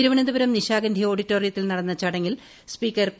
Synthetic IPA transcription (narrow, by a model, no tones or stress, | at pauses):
iɾuʋɐɳɐd̪ubɐɾɐmniɕaːɡɐnd̪ʱio̞ːɽitːoːrijɐt̪ːilnɐɽɐnːɐt͡ɕɐɽɐŋːil | spiːkːɐr